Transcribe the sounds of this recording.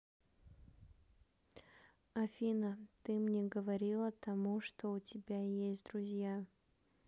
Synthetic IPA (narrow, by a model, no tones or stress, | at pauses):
ɐfʲinət̪ɨmnʲeɡəvɐɾʲilˠət̪ɐmuʂt̪oʊtʲɪbʲajesʲtʲd̪ɾʊzʲja